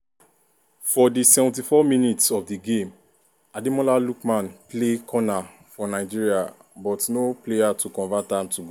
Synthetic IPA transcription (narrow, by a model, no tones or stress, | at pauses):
fɔdisɛvɔ̃n̩tifɔminitsɔfdiɡẽm | adimɔlalukmãnplekʰɔna | fɔnaɪd͡ʒiɹiabɔtnoplejatukɔ̃nvatãmtuɡ